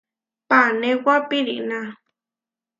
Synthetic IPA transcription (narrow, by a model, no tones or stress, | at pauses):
panẽwapiɾḭʔnã